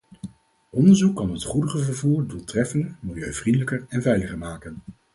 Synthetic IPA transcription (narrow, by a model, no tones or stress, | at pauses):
ʔɔndəɹzukːɑnɦətχudəχəvəɹvuːɹduːlˠtrɛfəndəmɪlˠjøɥv̥rindələkəɹɛnvɛjləχəɹmaːkən